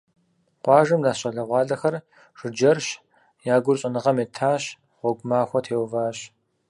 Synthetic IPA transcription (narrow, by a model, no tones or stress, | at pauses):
qʷɑːʒɐmdaːɕɐɮɐʁʷɑːɮɐxɐr | ʒ̥ɨd͡ʒɐrɕ | jaːɡʷʊrɕʼɐnɨʁɐmeːtʰaːɕ | ʁʷɔɡʷʊmaːxʷɔtʰeːwvaːɕ